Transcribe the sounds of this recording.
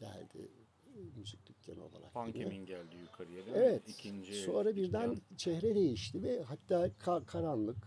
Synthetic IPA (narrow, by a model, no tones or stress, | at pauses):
ɟ̪̥æ̰lʲd̪̥ɪ̰ | myzic̚d̪ʲycʲːʰɛ̰no̰la̰lˠa̰kiinælʲd̪iykʰaɾijeɾevɛt̪nso̞nɾabiɾd̪ænt͡ʃʰɛhɾɛd̪e̞jiʃt̪ʰivɛhat̪ːaːkʰakʰaɾanlˠɯk